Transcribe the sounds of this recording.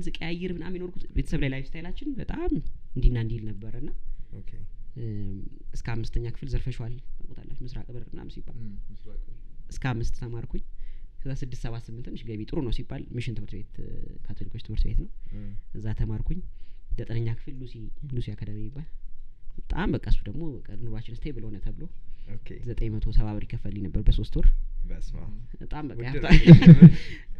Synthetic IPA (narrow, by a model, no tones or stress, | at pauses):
zɨkʼejajɪɾbɨnamːinoɾkʰut̪be̞t̪ʰəsəβlajlajst̪ajalat͡ʃːɪnbət̪ʼamɨnd̪inːand̪ihlnəbːəɾəɨnːa | ɨskəamːɨst̪ʰəɲːakʰɨ̥fɨlzəɾfəʃwaləkʰʼot̪ʰa̰lːə̰t͡ʃːmɨsɾa̰kʼɨβɨɾɨna̰msibːa̰l | ʔɨskʰəamːɨst̪ːʰəmaɾkʰuɲkʰəzːasɨd̪ːɨst̪səβat̪sɨmːɨnt̪ɨnːɨʃɡəβit̪ʼɨɾonəwsibːalmɨʃɪnt̪ɨmɨɾt̪be̞t̪kʰat̪ʰolikʰot͡ʃːt̪ɨmɨɾt̪bet̪nəwɨzːat̪ʰəmaɾkʰuɲːd̪ət̪ʼɨnəɲːakʰɨ̥fɨlːusilusijakʰəd̪əmimːibːalbət̪ʼa̰mbəkʼəsud̪əɡmobəkʼəɾɨnɨβat͡ʃːɪnɨst̪ʰəjebɨləhonət̪ʰəβɨlookʰzət̪ʼəɲmət̪ʰosʰəβaβəɾikʰːəfəlːinəbːəɾbəso̞st̪ʰwɔɾbbət̪ʼambəəjaft̪ʰa